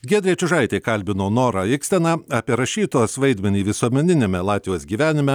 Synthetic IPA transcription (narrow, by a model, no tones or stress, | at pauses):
ɡʲeːd̪ɾʲiɛt͡ʃʲʊʒɐɪt̪ʲɛɪkɐlʲbʲɪnoːnoːɾɑɪksʲt̪ʲɛnɑɑːpʲiɛɾɐʃʲiːt̪oːsʋɐɪd̪ʲmʲɛnʲiːʋʲɪsuɔmʲɛnʲɪnʲemʲɛlˠɑːt̪ʲʋʲjoːsɡʲiːʋʲæːnʲɪmʲɛ